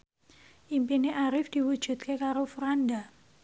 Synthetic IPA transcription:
ʔimpineʔaɾɪfd̪̥i̤wud̥ʒ̥ṳt̪̚kekaɾofuɾanda

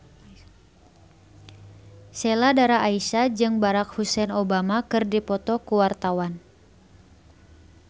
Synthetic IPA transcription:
sɛladaɾaʔːisad͡ʒɨŋbaɾak̚husɛnobamakɨrdipɔt̪ɔkuwart̪awan

